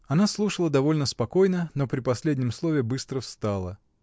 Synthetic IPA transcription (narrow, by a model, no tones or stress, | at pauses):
ɐnaslˠuʂəlˠəd̪ɐvo̞lʲnəspɐko̞jnəno̞pɾʲɪpɐsʲlʲedʲnʲɪmslˠovʲɪbɨst̪ɾəfst̪alˠə